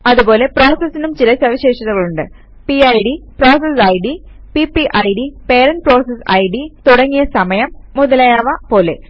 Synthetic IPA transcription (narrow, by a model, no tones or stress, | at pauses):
ɐðubo̞ːle̞pɾo̞ːsɐsːinumt͡ɕilɐsɐʋiɕe̞ːʂɐt̪ːɐɣɐɭuɳɖɨ | piɐjɖipro̞ːsɐsɐjɖi | pipiʔɐjɖipeːɾɐnʈ̚pɾoːsɐsɐ̰jɖit̪uɽɐŋːijɐsɐmɐjɐmːuðɐlɐːjaːʋɐpo̞ːle̞